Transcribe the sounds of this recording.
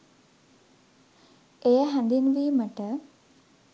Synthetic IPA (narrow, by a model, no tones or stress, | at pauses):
ejəɦænd̪inʋiːməʈə